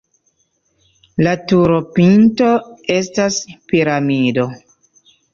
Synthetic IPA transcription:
latuɾopinto̞e̞staspiɾamido̞

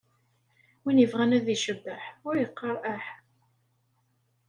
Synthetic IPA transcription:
winəvʁænæðiʃəbːəħʊɾjəqːəɾˤʔæħ

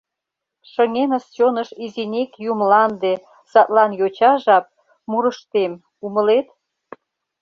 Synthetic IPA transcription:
ʃəŋenəst͡ɕonəʃizinʲekjumlɑnd̪e | sɑt̪lɑnjot͡ɕɑʒɑp̚ | muɾəʃt̪em | uməlet̪

